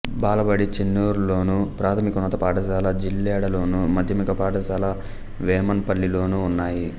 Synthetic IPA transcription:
baːlɐbɐɽit͡ʃenːuːɾulo̞ːnupɾaːt̪ʰɐmikɐnɐt̪ɐpaːʈɐsaːlɐd͡ʒilːɛːɽɐlo̞ːnumɐd̪ʱjɐmikɐpaːʈɐsaːlɐ | ʋɛːmɐnpɐlːilo̞ːnuːnːaːji

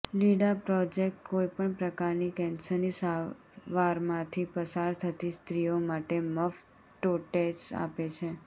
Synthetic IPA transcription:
liɖapɾɔd͡ʒek̚ʈ̚koipəɳpɾəkaɾnikɛnsənisa | ʋaɾmãt̪ʰipəsaɾt̪ʰət̪ist̪ɾijomaʈeməf | ʈoʈesa̰pet͡ʃʰe

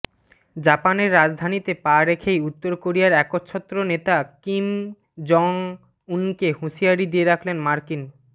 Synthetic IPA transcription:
d͡ʑapaneɾːad͡ʑd̪ʱanit̪epaɾekʰejut̪ːoɾkoɾijaɾɛkotːt͡ɕʰɔt̪ːɾonet̪akim | d͡ʑɔŋ | unkehuʃiaɾid̪ieɾakʰlenmaɾkin

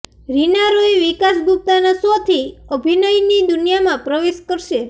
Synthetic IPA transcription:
ɾinaɾojʋikasɡʱup̚t̪anasot̪ʰiəbʱinəjnid̪unijamãpɾəʋeʃkəɾʃe

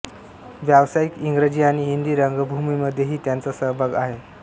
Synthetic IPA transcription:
ʋjaʋsaikiŋɡɾed͡ʑiːaɽ̃iɦind̪iːɾəŋɡəbʱumiːməd̪ʱjeɦiːt̪jant͡sasəɦbʱaɡaɦe

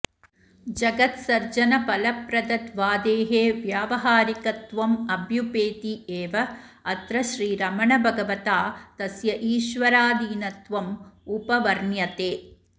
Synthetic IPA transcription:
d͡ʒɐɡɐt̪sɐɾd͡ʒɐnɐpɐlɐpɾɐd̪ɐt̪ʋaːd̪eːɦeːʋjaːʋɐɦaːɾikɐt̪ʋɐmɐbʱjupeːt̪ieːʋɐ | ɐt̪ɾɐʃɾiːɾɐmɐɳɐbʱɐɡɐʋɐt̪aːt̪ɐsjɐʔiːʃʋɐɾaːd̪iːnɐt̪ʋɐmupɐʋɐɾɳjɐt̪eː

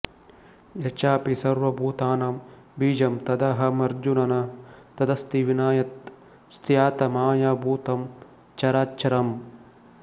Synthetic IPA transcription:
jɐt͡ʃaːpisɐɾʋɐbʱuːt̪aːnɐm | biːd͡ʒɐmt̪ɐd̪ɐɦɐ̆mɐɾd͡ʒunɐnɐt̪ɐd̪ɐst̪iʋinaːjɐt̪ | st̪ʰijaːt̪ɐmaːjɐbʱuːt̪ɐm | t͡ʃɐɾaːtːt͡ʃɐɾɐm

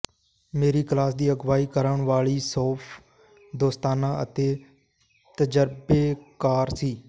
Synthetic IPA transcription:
meːɾiːklaːsd̪iːəɡʋaːiːkəɾəɳʋaːɭiːsɔːpʰ | d̪oːst̪aːnãːə̰t̪eː | t̪əd͡ʒəɾbeːkaːɾsiː

